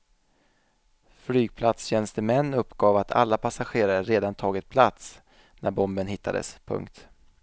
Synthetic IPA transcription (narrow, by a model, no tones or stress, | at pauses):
flyːɡ̚pʰlat̪sɕɛnst̪əmɛnːɵpːɡ̥ɑːvat̪ʰa̰lːapʰasaɧeːɾaɾəɾeːd̪ant̪ʰɑːɡɪt̪̚pʰlat̪s | næɾbɔmbənɦɪt̪ːa̰d̪ə̰spʰɵ̰ŋkt̪